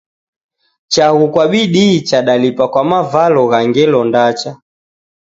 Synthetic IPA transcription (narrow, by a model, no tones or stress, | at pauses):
t͡ʃaɣukwaɓiɗit͡ʃaɗalipakwamavalɔɣaŋɡɛlɔndat͡ʃa